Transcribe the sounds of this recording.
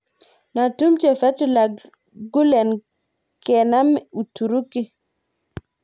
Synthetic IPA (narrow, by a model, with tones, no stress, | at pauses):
na˨tu˦mt͡ʃɛ˨fɛ˦tu˨la˨ | ɡu˦lɛ˨n | kɛ˨na˦m˨u˨tu˨ɾu˦kɪ˦